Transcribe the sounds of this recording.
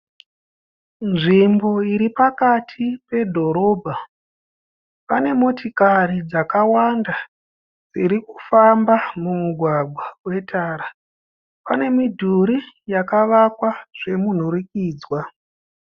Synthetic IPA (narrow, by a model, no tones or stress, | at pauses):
nʐimbo̞iɾipakatʰipe̞dʱo̞ɾo̞ːbʱa | pane̞mo̞tikarid͡zakawanda | d͡ziɾiku̥fambamumuɡʱwaɡʱwawe̞tʰaːɾa | pane̞midʱuɾijakaʋakwaʐ̥e̞mun̤uɾikiːd͡zwa